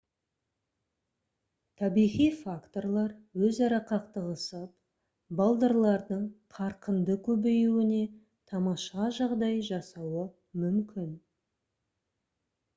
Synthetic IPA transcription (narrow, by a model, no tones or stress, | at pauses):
t̪ʰɑbijʁijfakt̪o̞rlˠɑɾwɵzɑɾɑqɑqt̪əʁəsəp | bɑlˠd̪ɑɾlˠɑɾd̪əɴqʰɑɾqənd̪əkʲʰɵbejuwɪne̞ | t̪ʰɑmɑʃɑʒɑʁd̪ɑjʒɑsɑwə | mʏmkʲɪn